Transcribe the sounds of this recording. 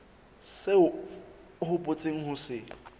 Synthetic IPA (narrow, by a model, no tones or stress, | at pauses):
seʊ | hʊpʼʊt͡sʼeŋ̩hʊsɪ